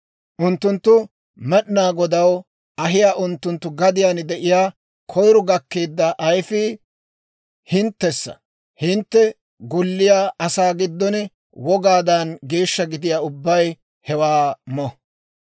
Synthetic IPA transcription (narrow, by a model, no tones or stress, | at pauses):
ʔʊnt̪ːʊnt̪ːʊ | mɛɗnaːɡɔd̪ɐw | ɐɦɪjaːʔʊnt̪ːʊnt̪ːʊɡɐd̪ɪjaːnd̪ɛʔɪjaː | kʰɔjɾʊɡɐkːeːd̪ːɐʔɐjfɪ | hɪnt̪ːɛsːɐ̰ | hɪnt̪ːɛ | ɡʊlːɪjaːɐsaːɡɪd̪ːɔn | wɔɡaːd̪ɐnɡe̞ːʃːɐɡɪd̪ɪjaːʊbːɐj | hɛwaːmɔ